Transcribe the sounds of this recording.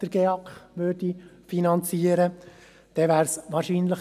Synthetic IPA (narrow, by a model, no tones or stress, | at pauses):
d̪̥əɾɡ̥eɑkχʋøːrdifinɑnt͡siːəɾə | d̥ɛʋæːɾsʋɑːɾʃiːnləχ